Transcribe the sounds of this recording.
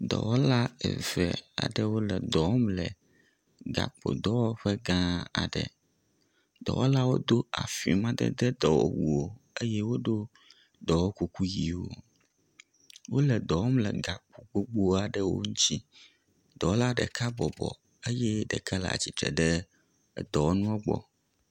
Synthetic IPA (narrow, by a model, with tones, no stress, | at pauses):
d̪ɔ̰˨wɔ˦la˦ɛ̰˨vɛ̰˨a̰˨ɖɛ˦wo˦lɛ˨d̪ɔ˨wɔ˦mlɛ˨ | ɡa̰˨k͡po̰˨d̪ɔ˦wɔ˦ɸɛ˦ɡã˦a̰˨ɖə̰˨ | d̪ɔ̰˨wo˦la˦wo˦d̪o˦a̰˨fi˨mã˦d̪ɛ̰˦d̪ɛ˦d̪ɔ˨wɔ̰˨wu˨wo˨e˦jɛ˦wo˦ɖo˦ | d̪ɔ˨wo˦ku˨ku˦ji˨wo̰˨ | wo˦lɛ˨d̪ɔ˨wɔ˦mlɛ˨ɡa˨k͡po˨ɡ͡bo˦ɡ͡bo˦a˨ɖə˦wo̰˦ŋũ˦t͡ɕi˦ | d̪̥ɔ˨wo˦la˦ɖə˨kʰa˦bɔ˨bɔ̰˨ | ə˦jɛ˦ɖə˨ka˦la̰˨a̰˨t͡ɕi˨t̪ɾɛ̰˨ɖə˦˨ | d̪ɔ˨wo˦nũ˦o˦ɡ͡bɔ̰˨